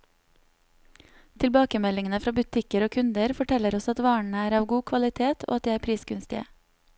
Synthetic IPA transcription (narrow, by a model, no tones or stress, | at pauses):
t̪ʰɪlbɑːkəmɛlɪŋənəfɾɑːbʉt̪ʰɪkəɾoːkʰʉnd̪əɾfɔʈʰɛləɾɔsɑt̪ʋɑːɳəæːɾɑːʋɡuːkʰʋɑlɪt̪ʰeːt̪ʰo̰ɑt̪̚d̪iːæːɾpʰɾiːsɡʉnst̪ɪə̰